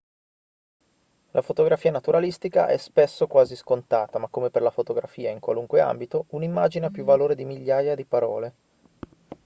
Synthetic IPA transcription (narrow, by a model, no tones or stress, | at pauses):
lʔafot̪oɡɾafiːanat̪uɾalist̪ika̰ʔɛ̰spesːokwaːziskont̪aːt̪amakːomeperlafot̪oɡɾafiːaiŋkwa̰luŋkwea̰mbit̪ounimːaːd͡ʒineapːjuvːaloːɾed̪imiʎːaːjad̪ipaɾɔ̰ːle